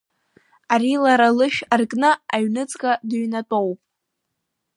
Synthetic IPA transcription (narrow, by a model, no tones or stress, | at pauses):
aɾilaɾalɨʃᶣarkʼnɨaɥnɨt͡sʼkʼadɨɥnatʼowpʼ